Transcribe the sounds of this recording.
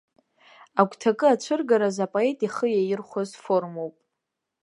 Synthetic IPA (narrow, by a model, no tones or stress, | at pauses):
aɡʷʰʼtʰakʼɨat͡ʃʷʰɨrɡaɾazapʼoe̞tʼiχəjajɪrχʷazfo̞rmo̞wpʼ